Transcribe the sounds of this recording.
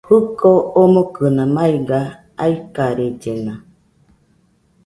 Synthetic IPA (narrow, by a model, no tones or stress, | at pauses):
hɨkoomokɯnãmaiɡa | aikaɾed͡ʒenã